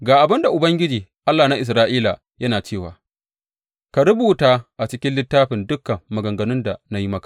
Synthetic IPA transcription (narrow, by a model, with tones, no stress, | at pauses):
ɡaː˨ʔa˨bɪ˦nda˨ʔʊ˨bɐ˦ŋɡʲɪ˦d͡ʒiː˨ʔa˦lːaː˨na˦ʔɪ˨s̬ɾaː˦ʔiː˦la˨ | jɐ˦naː˨t͡ʃeː˦˨wa̰ː˨ | ka˨ɾʊ˦buː˨taː˦ʔa˨t͡ʃɪ˦kʲɪ˦nlɪ˦tːaː˦ɸɪ˨ndʊ˦kːɐː˨ɐ˨ɡɐ˨ŋɡɐ˨nʊ˦nda˨na˦ji˦mɐ˦kḁ˨